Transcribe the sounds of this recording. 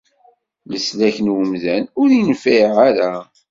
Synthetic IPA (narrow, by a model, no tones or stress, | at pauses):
ləslæçənwəmðænʊɾinfæjʁaɾæ